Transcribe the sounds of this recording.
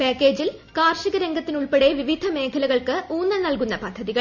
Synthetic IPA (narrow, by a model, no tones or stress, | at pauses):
peːkːe̞ːd͡ʑil | kaːrʂiɣɐɾeŋɡɐt̪ːinuɭpeɽe̞ʋiʋid̪ʱɐme̞ːkʰɐlɐɣɐɭkɨuːnːɐnɐlkunːɐpɐd̪ʱːɐðiɣɐɭ